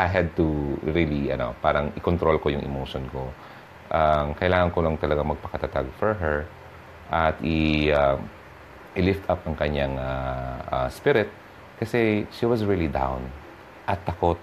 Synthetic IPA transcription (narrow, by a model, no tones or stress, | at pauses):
ʔajɦɐd̪̚t̪uɹiliʔɐ̰no̞̰paːɾɐŋʔɪkɔnt̪ɾolkojʊŋʔɛ̰mowʃonko | ʔamkɐʔɪlaːŋɐnkolɐŋt̪ɐlɐɡaŋmɐɡ̚pɐkɐt̪at̪aɡ̚fɔɹɦɛɹ | ʔɐt̪ɪam | ʔɪlɪft̪ʰapɐŋkɐɲaŋaʔaspɪɾɪt̪̚ | kɐsɛʃiwɐsɹilid̪ã̰wn | ʔɐt̪ːɐkot̪̚